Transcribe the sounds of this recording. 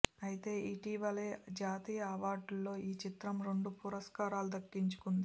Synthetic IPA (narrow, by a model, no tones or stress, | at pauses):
ɐjit̪e̞ːʔiʈiːʋɐled͡ʒaːt̪iːjɐɐʋaːɾɖulːo̞ːiːt͡ʃit̪ɾɐmɾe̞ɳɖupuɾɐskaːɾaːlud̪ɐkːiɲt͡ʃu̥kund̪i